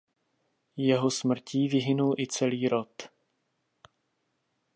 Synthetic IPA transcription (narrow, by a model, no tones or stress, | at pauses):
jɛɦosmr̩ciːvɪɦɪnulʔɪt͡sɛliːɾo̞t̪